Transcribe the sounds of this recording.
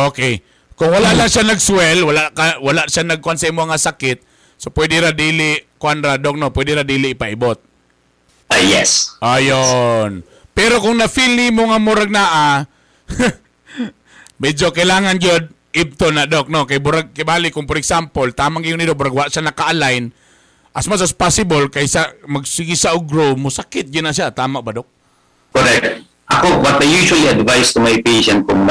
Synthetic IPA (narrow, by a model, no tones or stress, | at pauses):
ʔoːkej | kʊŋwɐlaʔlaŋʃanɐɡswɛlwalaʔkawɐlaʔʃanɐɡ̚kʊʔansɐʔimːoʔɐŋasakɪt̪̚ | sopwɛd̪ɪɾad̪iːlɪkʊʔanɾad̪ok̚nopwɛd̪ɪɾad̪iːlɪʔɪpaʔɪbot̪̚ | ajɛsʔajon | pɛɾokʊŋnɐfilnimoŋamʊɾaɡ̚naʔa | mɛd͡ʒokɐɪlaːŋɐnd͡ʒod̪̚ | ʔɪb̚t̪onad̪ok̚nokɐjbʊɾaɡ̚kajbalɪkʊŋpɔɾɛksampolt̪aːmaʔŋɡɪjʊnɪd̪obʊɾaɡwaaʔʃanɐkaʔalajn | ʔɐsmasaspasɪbolkajsamɐɡsɪɡɪsaʔoɡɾomʊsakɪt̪̚d͡ʒʊd̪naʃ̬at̪aːmaʔbad̪ok̚ | koɾɛk̚t̪̚ | ʔɐkobɐt̪̚d̪ɐjuːʃualiɐd̪vajst̪ʊmajpeʃɛnt̪̚kʊŋ